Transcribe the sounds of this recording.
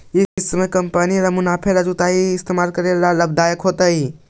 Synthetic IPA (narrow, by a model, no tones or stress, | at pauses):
ɪsmẽkɐmpəniɾɐmʊnaːpʰeɾɐd͡ʒut̪aːiɪst̪eːmaːlkəɾelalɐb̚d̪aːjəkɦoːt̪əi